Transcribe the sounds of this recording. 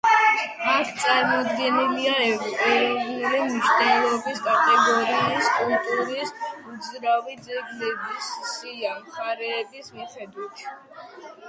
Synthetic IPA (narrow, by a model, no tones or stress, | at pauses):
atʰt̪sʼaɾmɔd̪ɡɛniliaɛuɾimʃnɛlˠɔbisk̪ʼat̪ʼɛɡɔɾiːskʼulˠt̪ʼuɾisud̪zɾavid̪zɛɡlɛbisːiamχaɾɛːbismiχɛd̪wit̪ʰ